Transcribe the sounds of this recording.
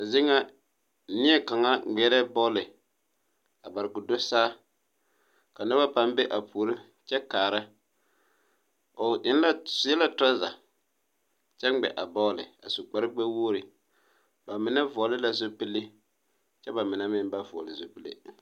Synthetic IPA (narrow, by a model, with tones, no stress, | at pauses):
a˨zɪ˦ŋa˦ | nɪ˦ɛ˦ka˨ŋa˦ɡ͡bɛ˨˦ɾɛ˦bɔː˦lɪ˨ | a˨ba˨ɾɪ˨ɡʊ˨dʊ˦saː˦ | ka˨na˦ba˦pa˦m˦be˦ʔa˨pu˨ɾɪ˦ | t͡ʃɛ˦kaː˨ɾa˦ | o˨ʔɪ˦n˦la˦sɛ˦la˦ta˦za̰˨ | t͡ʃɛ˦ŋ͡mɡ͡bɛ̰˨ʔa˨bɔː˦lɪ˨a̰˨sʊ˨k͡pa˨ɾɪ˦ɡ͡bɛ˦woː˦ɾɪ˨ | ba˨mɪ˨na˦vɔ˨lɪ˦la˨zo˦pi˦lɪ˦ | t͡ʃɛ˦ba˨mɪ˨na˦mɪ˦m˦ba˦vɔ̰˨lɪ˨zo˦pi˦lɪ̰˦